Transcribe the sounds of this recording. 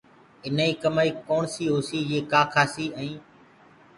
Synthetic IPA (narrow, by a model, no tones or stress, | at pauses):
ɪnaiːkəmaːiːkoːɳsiːɦoːsiːjeːkaːkʰaːsiːəĩː